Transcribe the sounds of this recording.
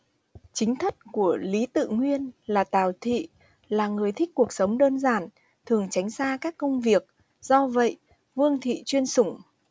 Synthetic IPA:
t͡ɕï˨˦ŋ̟t̪ʰə˦˥t̚ku˧˩əli˨˦t̪ɨ̰˧˨ŋwi˧ənlaː˨˩t̪aː˨˩wt̪ʰḭ˧˨ | laː˨˩ŋɨ˨˩əjt̪ʰï˦˥k̟̚ku˨˩ək̚sə˨˦wŋ͡mɗəː˧nzaː˧˩n | t̪ʰɨ˨˩əŋt͡ɕa˨˦jŋ̟zaː˧kaː˦˥kːə˧wŋ͡mvi˨˩ək̚ | z̥ɔ˧və̰˧˨jʔ | vɨ˧əŋt̪ʰḭ˧˨t͡ɕwi˧ənsʊ˧˩ŋ͡m

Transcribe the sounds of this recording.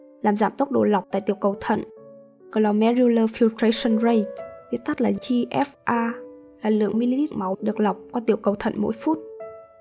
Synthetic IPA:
laː˨˩mza̰ː˧˩mt̪o˦˥k͡p̚ɗo̰˧˨la˨˩wk͡p̚t̪a̰ː˧˨jt̪ḭ˧˩əwkə˨˩wt̪ʰə̰˧˨n | kə˨˩lɔ˨˩mɛ˧˥ɾi˧ləː˧fi˧wt̪ɾə˧jsə˧˨nɹe˧jt̚vi˦˥ət̚t̪a˦˥t̚laː˨˩t͡ɕi˧ʔɛ˦˥fʔaː˧ | laː˨˩lɨ̰˧˨əŋmi˧li˧t̪i˦˥k̚ma˨˦wɗɨ˨˩ək̚la˨˩wk͡p̚kɔ˧t̪i˧˨˩əwkə˨˩wt̪ʰə̰˧˨nmo̰˧˥jfu˦˥t̚

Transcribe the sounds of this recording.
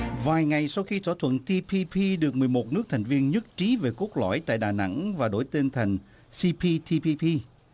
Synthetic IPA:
vaː˨˩jŋa˨˩jsa˧wxi˧t̪ʰɔ̰˧˩t̪ʰwə̰˧˨nt̪ʰi˧pʰi˧pʰi˧ɗɨ˨˩ək̚mɨ˨˩əjmo˨˩t̚nɨ˦˥ək̚t̪ʰa˨˩jŋ̟vi˧ənɲɨ˦˥k̚t͡ɕi˨˦ve˨˩ko˦˥k̚lɔ̰˧˩jt̪a̰ː˧˨jɗaː˨˩na̰˧˥ŋvaː˨˩ɗo̰˧˩jt̪e˧nt̪ʰa˨˩jŋ̟ | si˧pʰi˧t̪ʰi˧pi˧pʰi˧

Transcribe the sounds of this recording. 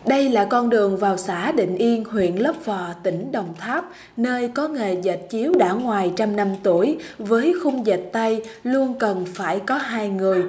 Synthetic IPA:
ɗə˧jlaː˨˩kɔ˧nɗɨ˨˩əŋvaː˨˩wsaː˧˥ɗḭ˧˨ŋ̟ʔi˧ənhwḭ˧˨ənlə˦˥p̚vɔ˨˩t̪ï˧˩ŋ̟ɗə˨˩wŋ͡mt̪ʰaː˦˥p̚ | nəː˧jkɔ˨˦ŋe˨˩zə˨˩t̚t͡ɕi˨˦əwɗa̰ː˧˥ŋwaː˨˩jt͡ɕa˧mna˧mt̪u˧˩əjvəː˨˦jxʊ˧ŋ͡mzə˨˩t̚t̪a˧jlu˧ənkə˨˩nfaː˧˩jkɔ˨˦ɦaː˧jŋɨ˨˩əj

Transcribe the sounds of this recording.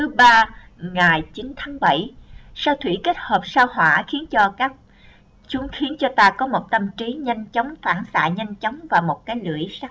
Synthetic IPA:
t̪ʰɨ˨˦ɓaː˧ | ŋaː˨˩jt͡ɕi˨˦nt̪ʰaː˨˦ŋɓə˧˩jsaː˧wt̪ʰwḭ˧˩ke˦˥t̚həː˨˩p̚saː˧whwa̰ː˧˩xi˨˦ənt͡ɕɔ˧kaː˦˥k̚ | t͡ɕʊ˨˦ŋ͡mxi˨˦ənt͡ɕɔ˧t̪aː˧kɔ˨˦mo˨˩t̚t̪ə˧mt͡ɕi˨˦ɲə˧jŋ̟t͡ɕə˨˦wŋ͡mfaː˧˩nsa̰ː˧˨ɲə˧jŋ̟t͡ɕə˨˦wŋ͡mvaː˨˩wmo˨˩t̚kaː˨˦jlɨ̰˧˩əjsa˦˥

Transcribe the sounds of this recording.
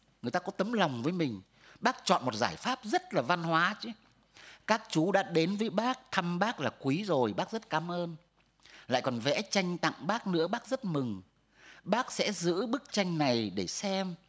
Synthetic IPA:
ŋɨ˨əjt̪aː˧kɔ˨˦t̪ə˨˦mla˨˩wŋ͡mvəː˨˦jmï˨˩ŋ̟ | ɓaː˦˥k̚t͡ɕɔ̰˧˨nmo˨˩t̚zaː˧˩jfaː˦˥p̚zə˦˥t̚laː˨˩va˧nhwaː˨˦t͡ɕɨ˨˦ | kaː˦˥k̚t͡ɕu˨˦ɗa̰ː˧˥ɗe˨˦nvəː˨˦jɓaː˦˥k̚t̪ʰa˧mɓaː˦˥k̚laː˨˩kwi˨˦zo˨˩jɓaː˦˥k̚zə˦˥t̚kaː˨˦mʔəː˧n | la̰ː˧˨jkɔ˨˩nvɛ̰˧˥t͡ɕa˧jŋ̟t̪a̰˧˨ŋɓaː˦˥k̚nɨ̰˧˥əɓaː˦˥k̚zə˦˥t̚mɨ˨˩ŋ | ɓaː˦˥k̚sɛ̰˧˥zɨ̰˧˥ɓɨ˦˥k̚t͡ɕa˧jŋ̟na˨˩jɗe˧˩sɛ˧m

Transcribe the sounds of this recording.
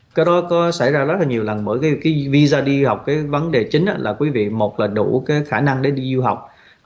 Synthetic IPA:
kaː˨˦jɗɔ˨˦kɔ˨˦sa̰˧˩jzaː˧zə˦˥t̚laː˨˩ɲi˨˩əwlə˨˩nɓəː˧˩jkaː˨˦kaː˨˦jvi˧zaː˧ɗi˧ha˨˩wk͡p̚kaː˨˦jvə˨˦nɗe˨˩t͡ɕï˨˦ŋ̟ʔa̰˧˦laː˨˩kwi˨˦vḭ˧˨mo˨˩t̚laː˨˩ɗṵ˧˩kaː˨˦jxaː˧˩na˧ŋɗe˧˩˦ɗi˧zu˧ɦa˨˩wk͡p̚

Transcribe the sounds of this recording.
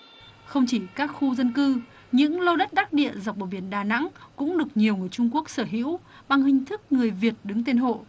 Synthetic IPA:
xə˧wŋ͡mt͡ɕi˧˩kaː˦˥k̚xu˧zə˧nkɨ˧ | ɲɨ̰˧˥ŋlo˧ɗə˦˥t̚ɗaː˦˥t̚ɗḭ˧˨əza˨˩wk͡p̚ɓo˨˧˩vɓi˧˩ənɗaː˨˩na̰˧˥ŋkʊ̰˧˥ŋ͡mɗɨ˨˩ək̚ɲi˨˩əwŋɨ˨˩əjt͡ɕʊ˧ŋ͡mku˦˥ək̚səː˧˩ɦḭ˧˥w | ɓa˨˩ŋhï˨˩ŋ̟t̪ʰɨ˦˥k̚ŋɨ˨˩əjvi˨˩ət̚ɗɨ˨˦ŋt̪e˧nɦo̰˧˨

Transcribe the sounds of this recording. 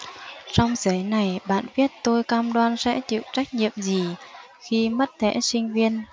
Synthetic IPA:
sɔ˧wŋ͡mzə˨˦jna˨˩jɓa̰ː˧˨nvi˦˥ət̚t̪o˧jkaː˧mɗwaː˧nsɛ̰˧˥t͡ɕḭ˧˨t͡ɕa˦˥jk̟̚ɲḭ˧˨əmzi˨˩ | xi˧mə˦˥t̚t̪ʰḛ˧˥sï˧ŋ̟vi˧ən

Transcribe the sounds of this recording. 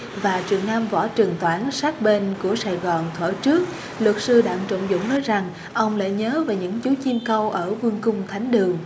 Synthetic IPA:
vaː˨˩t͡ɕi˨˩əŋnaː˧mvɔ̰˧˩t͡ɕɨ˨˩ŋt̪waː˧˥nsaː˦˥k̚ɓe˧nku˧˩əsaː˧˩jɣɔː˨˩nt̪ʰwə̰ː˧˩t͡ɕɨ˦˥ək̚ | lwə˨˩t̚sɨ˧ɗa̰ː˧˥ŋt͡ɕo̰˧˨ŋ͡mzʊ̰˧˥ŋ͡mnəː˨˦jza˨˩ŋ | ʔə˧wŋ͡mla̰ː˧˨jɲəː˨˦vaː˨˩wɲɨ̰˧˥ŋt͡ɕu˨˦t͡ɕi˧mkə˧wʔəː˧˩vu˧əŋkʊ˧ŋ͡mt̪ʰa˨˦jŋ̟ɗɨ˨˩əŋ

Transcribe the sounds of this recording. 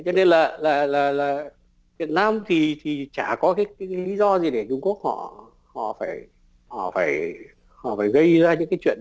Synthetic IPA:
t͡ɕɔ˧ne˧nlaː˨˩laː˨˩laː˨˩laː˨˩ | vi˨˩ət̚naː˧mt̪ʰi˨˩t̪ʰi˨˩t͡ɕaː˧˩kɔ˨˦kaː˨˦jkaː˨˦jkːli˨˦zɔ˧zi˨˩ɗe˧˩t͡ɕʊ˧ŋ͡mku˦˥ək̚hɔ̰˧˨ | hɔ̰˧˨faː˧˩j | hɔ̰˧˨faː˧˩j | hɔ̰˧˨faː˧˩jɣə˧jzaː˧ɲɨ̰˧˥ŋkaː˨˦t͡ɕwḭ˧˨ən

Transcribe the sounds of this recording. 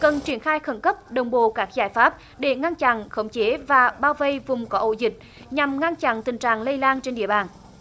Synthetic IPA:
kə˨˩nt͡ɕwi˧˩ənxaː˧jxə˧˩nkə˦˥p̚ɗə˨˩wŋ͡mɓo̰˧˨kaː˦˥k̚zaː˧˩jfaː˦˥p̚ | ɗe˧˩ŋa˧nt͡ɕa̰˧˨nxə˨˦wŋ͡mt͡ɕe˨˦vaː˨˩ɓaː˧wvə˧˩jvʊ˨˩ŋ͡mkɔ˨˦ʔo̰˧˩zï˨˩k̟̚ | ɲa˨˩mŋa˧nt͡ɕa̰˧˨nt̪ï˨˩ŋ̟t͡ɕa̰ː˧˨ŋlə˧jlaː˧nt͡ɕe˧nɗḭ˧˨əɓaː˨˩n

